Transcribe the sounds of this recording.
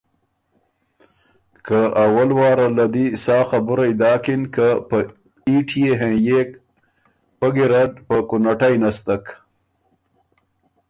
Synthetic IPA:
kaawalwɑːɾalad̪isɑːxabuɾajd̪ɑːkinkapə | iʈʰijeɦẽjek | pəɡiɾaɖpəkʊnaʈajnast̪ak

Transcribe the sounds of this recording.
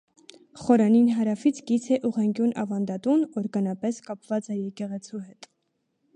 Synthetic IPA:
χɔɾɑninɦɑɾɑfit͡sʰɡit͡sʰɛʔuʁɛŋɡʲjunʔɑ̰vɑnd̪ɑt̪unɔɾɡɑnɑpɛskɑpv̥ɑt͡sɛjɛkɛʁɛt͡sʰuɦɛt̪

